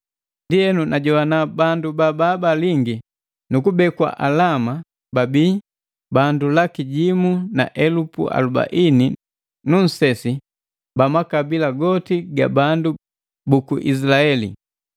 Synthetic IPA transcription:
ndiɛnunʔaɟɔwanabandubababaliŋɡi | nukubɛkwa̰ʔalama | babiː | bandulakiɟimuna̰ʔɛlupṵʔa̰luba̰ʔini | nun̩sɛsi | bamakabilaɡɔtiɡa̰bandu | bukuʔḭs̬ilaɛlḭ

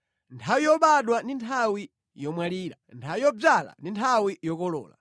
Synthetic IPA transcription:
ntʰawijɔɓaɗwandintʰawi | jɔmwaliːɾa̰ntʰawijɔb͡ʐala̰ndintʰawijɔkɔlɔ̰ːla̰

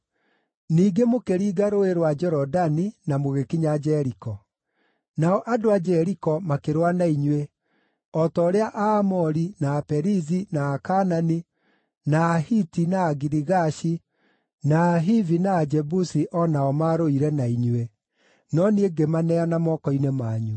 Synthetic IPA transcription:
niːɡemokeɾiːɣaɾoeɾwad͡ʒɛɾɔdaninamoɣekiɲad͡ʒɛɾikɔ | naɔʔadoad͡ʒɛɾikɔmakeɾwanaiɲwe | ɔtɔːɾeaʔaːmɔɾinaːpɛɾizinaːkanani | naːhitinaːɣiɾiɣaʃi | naːɦivinaːd͡ʒɛbusiʔɔnaɔmaɾoiɾɛnaiɲwe | nɔnieɡemanɛanamɔkɔinemaːɲu

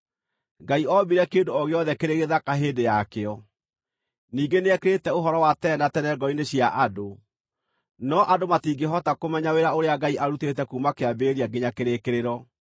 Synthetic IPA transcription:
ɡaiɔbiɾɛkeːndoɔɣeɔðɛkeɾeɣeðakaɦeːndejakeɔ | niːɡeneɛkeɾetɛoɦɔɾɔwatɛnatɛnɛɡɔineɕjaʔado | nɔʔadomatiːɡeɦɔtakomɛɲaweɾaoɾeaɡaiʔaɾutetɛkuːmakeabeɾiaɡeɲakeɾekeɾeɾɔ

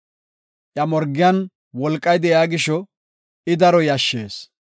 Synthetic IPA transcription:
ʔjɐmɔɾɡɪjan | wɔlkʼːɐjd̪ɛjaːɡɪʃɔ | ɪd̪ɐɾɔjɐʃːeːs

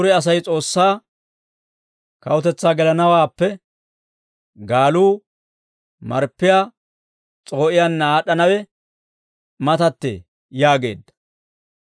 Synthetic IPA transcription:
ʊɾɛɐs̬ɐjt͡sʼo̞ːsːaː | kɐwʊt̪ɛt͡sːaːɡɛlɐnɐwaːpːɛ | ɡaːluː | mɐɾpːɪjaː | t͡sʼo̞ːʔɪjaːnːaːɗːɐnɐwɛ | mɐt̪ɐt̪ːḛː | jaːɡe̞̰ːd̪ːɐ̥

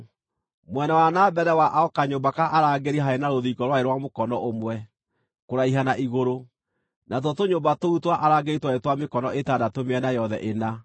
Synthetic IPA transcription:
mwɛnawanabɛɾɛwaʔaɔkaɲobakaʔaɾaɡeɾiɦaenaɾoðikɔɾwaeɾwamokɔnɔʔomwɛ | koɾaiɦanaʔiɣoɾo | nat̬ɔtoɲombatoutwaʔaɾaɡeitwaetwamekɔnɔʔetadatomeɛnajɔðɛ̰ʔena

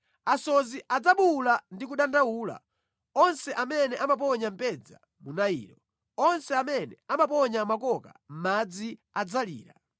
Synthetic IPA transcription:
asɔziʔad͡zaɓulandikuɗandawuːla̰ | ɔnsɛʔamɛnɛʔamap̬ɔɲam̩pɛd͡za̰ | munaḭːɾɔ | ɔnsɛamɛnɛamapɔɲamakɔka̰m̩mad͡zi | ad͡zalḭːɾa

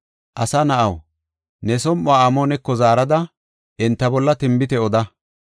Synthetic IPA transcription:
ʔɐsɐnɐʔɐw | nɛsɔmʔʊaːɐmoːnɛkːɔzaːɾɐd̪ɐ | ʔɪnt̪ːɐbɔlːɐt̪ɪmbɪt̪ɛɔd̪ɐ

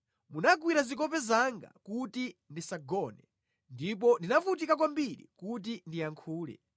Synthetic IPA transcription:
munakwiɾazik̬ɔpɛzaŋɡa̰kutindisaɡɔnɛ | ndip̬ɔndinafut̬ikak̬wambiɾḭkut̬indijaŋkʰuːlɛ̰

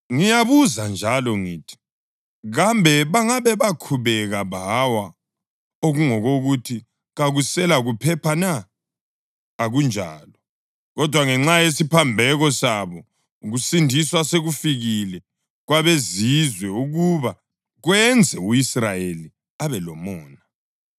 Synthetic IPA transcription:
ŋijaβuzand͡ʒʱalɔŋiːtʰi̥ | ɣambʱɛβaŋaβɛβakʰuβɛɣaβawa | oɣuŋɔɣoɣutʰi | ɣaɣusɛlaɣupʰɛpʰana | ɣund͡ʒʱa̰ːlɔ | ɣɔd̥ʱwaŋɛŋ͡ǁajesipʰambʱɛɣɔsaβɔ | ɣusindʱiswaseɣufiɣilɛ | ɣwaβezizwɛuɣuβa | ɣwɛnd͡zʱɛuisrajeli | aβɛlɔmɔːna

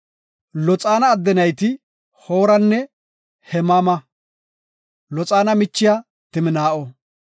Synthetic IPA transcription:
lɔt͡sʼaːnɐːd̪ːɛnɐjt̪ɪ | hoːɾɐnːɛ | hɛmamɐ | lɔt͡sʼaːnɐmɪt͡ʃːɪja | t̪ɪmɪnaːʔɔ

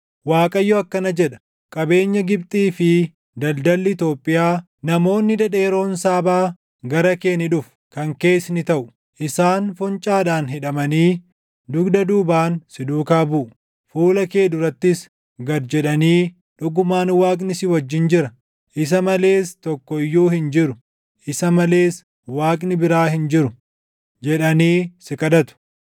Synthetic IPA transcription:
waːkʼɐjːɔɐkːɐnɐd͡ʒɛᶑɐ̥ | kʼɐbe̞ːɲːɐɡɪb̚t̪ʼiːfɪ | d̪ɐld̪ɐlːɪɪt̪o̞ːpʼːɪjaː | nɐmo̞ːnːɪd̪ɐᶑe̞ːɾo̞ːnsaːbaː | ɡɐɾɐke̞ːnɪᶑʊf | kɐŋke̞ːsnɪt̪ɐʔʊ | ʔɪsaːnfʊnt͡ʃʼaːdaːnɦɛᶑɐmɐniː | d̪ʊɡd̪ɐd̪uːbaːnsɪd̪uːkaːbʊʔ | fuːlɐke̞ːd̪ʊɾɐt̪ːɪs | ɡɐɾd͡ʒɛᶑɐniː | ᶑʊɡʊmaːnwaːkʼnɪsɪwɐd͡ʒːɪnd͡ʒɪɾɐ | ʔɪs̬ɐmɐle̞ːst̪ɔkːɔɪjːuːhɪnd͡ʒɪɾʊ | ʔɪsɐmɐle̞ːs | waːkʼnɪbɪɾaːɦɪnd͡ʒɪɾʊ | d͡ʒɛᶑɐniːsɪkʼɐd̪ɐt̪ʊ̥

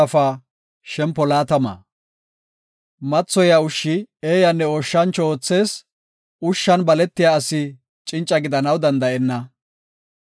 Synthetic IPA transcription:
ɐfaː | ʃɛmpːɔlaːt̪ɐma̰ː | mɐt͡sːɔjɐʊʃːɪeːjɐnːɛoʃːɐnt͡ʃoːt͡sːe̞ːs | ʊʃːɐnbɐlɛt̪ːɪjaɐsɪ | t͡ʃʼɪnt͡ʃʼːɐɡɪd̪ɐnɐwd̪ɐnd̪ɐʔɛnːɐ

